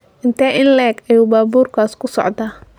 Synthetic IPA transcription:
ʔɪnt̪ʰɛːʔɪnlɛːɡɐjuːbaːbuːrkʰaːskʰʊsɔ̰ʕd̪aː

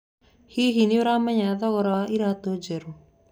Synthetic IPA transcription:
hiɦinioɾamaɲaðɔɣɔɾaiɾat̪od͡ʒeɾu

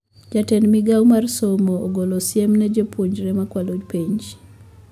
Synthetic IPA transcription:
d͡ʒatɛnmiɡawmarsomoːɡolosjɛmnɛd͡ʒepwoɲd͡ʒɾɛmakwalod͡ʒpiɲd͡ʒ

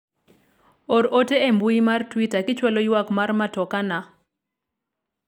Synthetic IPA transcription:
oɾoteembuimartwitakɪt͡ʃwalojwakmarmatɔkana

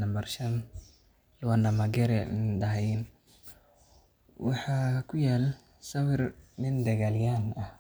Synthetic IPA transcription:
ɐmbɐrʃɐn | lʊwanɐmɐɡɛɾɛɪnd̪ɐɦɛjn | wɑħɑːkʰʊjaːl | sɐwɪrnɪnd̪ɐɣaljaːnɐh

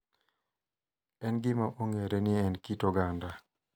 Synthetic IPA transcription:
ɛnɡɪmaʔoŋeɾenɪɛnkitɔɡanda

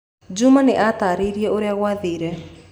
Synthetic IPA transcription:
d͡ʒumaneʔat̪aːɾiɾiɛʔoɾeaɣwaðiːɾɛ

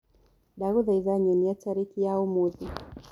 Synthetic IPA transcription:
ɗaɣuðaizaɲɛniataɾikijaumuði

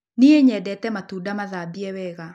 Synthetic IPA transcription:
nieɲɛdɛtɛmatuːdamaðabiɛwɛɣa

